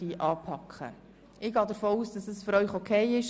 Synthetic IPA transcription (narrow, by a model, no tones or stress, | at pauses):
iːʔɑːpʰɑkχə̰ | ɪɡɑːdəɾfoːuːsd̥ɑsəsføɾœʏɥχokʰɛɪɪʃ